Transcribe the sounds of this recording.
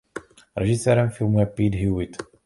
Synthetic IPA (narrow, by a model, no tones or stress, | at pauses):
ɾɛʒɪsɛːɾɛmfɪlmujɛpiːdɦjuwɪt̪